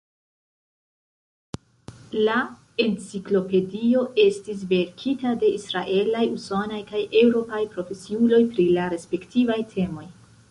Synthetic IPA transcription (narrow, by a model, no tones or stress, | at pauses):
la | ent͡siklo̞pe̞dio̞ʔe̞stis̬ve̞ɾkʰitade̞isɾaʔe̞lajuso̞najkajʔewɾo̞pajpɾo̞fe̞siulo̞jpɾilaɾe̞spe̞ktʰivajtʰe̞mo̞j